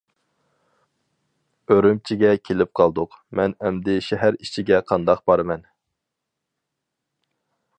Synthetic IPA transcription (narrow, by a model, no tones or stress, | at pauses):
øɾymt͡ʃʰiɡʲɛkʲʰelɪp̚qʰɑlˠd̪ʊqmɛnɛmd̪ɪʃɛɦæɾit͡ʃʰiɡʲɛqʰɑnd̪ɑq̚b̥ɑɾɨmɛn